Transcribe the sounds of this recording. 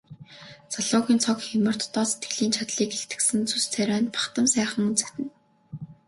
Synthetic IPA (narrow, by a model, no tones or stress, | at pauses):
t͡saɮʊːɣʲiːnt͡sʰɔkxʊmə̆r̥t̪ʰt̪ːɔːse̥t̪ɡɘ̆ɮiːnt͡ɕʰat̪ɮiːkeɬt̪ɡɘ̆sɘ̆nt͡sʰust͡sʰæɾʲæːnpḁχt̪ə̆msæːχə̆ŋɵnt͡sæ̥t̪ɘ̆n